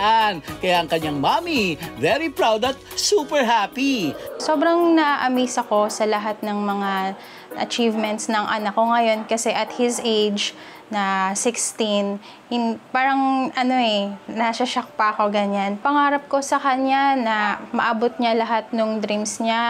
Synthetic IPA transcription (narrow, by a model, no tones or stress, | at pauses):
ʔankɐjaʔɐŋkɐɲaŋmamivɛɾipɹawd̪ɐt̪̚supɛɹɦapiso̞ːbɾɐŋnɐʔʔɐmiːsɐko̞sɐlɐɦat̪̚nɐŋmɐŋa | ʔɐ̰t͡ʃivmɛnt̪snɐŋʔɐnɐkːo̞ŋɐjo̞nkɐsɛʔɐt̪̚hɪzʔejd͡ʒ | nɐsɪkst̪in | ɪŋpaːɾɐŋʔɐno̞ʔɛnɐʃaʃɐk̚pako̞ɡɐɲanpɐŋaːɾɐp̚ko̞sɐkɐɲanɐmɐʔaːbot̪̚ɲalɐɦat̪̚noŋd̪ɾimsɲa